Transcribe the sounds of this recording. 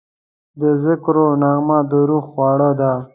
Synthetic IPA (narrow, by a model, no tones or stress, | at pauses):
d̪əzɪkɾonaɣmad̪əɾuxwɑɽad̪a